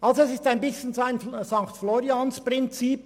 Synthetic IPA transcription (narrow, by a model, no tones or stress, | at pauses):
ʔɑlzoɛsɪstaɪnbɪsçən̩zoaɪnzɑŋktfloːɾiɑnspʁɪnt͡siːp